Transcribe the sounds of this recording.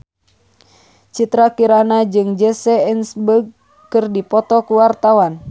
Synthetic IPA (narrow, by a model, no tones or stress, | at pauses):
t͡ʃit̪ɾakiɾanad͡ʒɨŋd͡ʒɛsɛɛnsbəɡ̚ | kɨrdipɔt̪ɔkuwart̪awan